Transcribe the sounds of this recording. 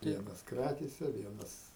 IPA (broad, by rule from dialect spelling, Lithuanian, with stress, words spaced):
ˈʋʲiɛnɐs ˈkrɑːkʲeːsʲɛ ˈʋʲiɛnɐs